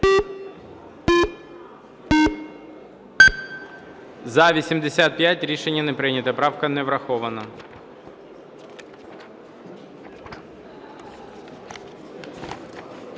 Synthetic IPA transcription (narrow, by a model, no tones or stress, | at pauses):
zɐʋʲisʲimd̪esʲat̪̚pʲjatʲɾʲiʃenʲːɐnɛpɾɪnʲɐt̪ɐpɾɑwkɐnɛʋɾɐxɔʋɐnɐ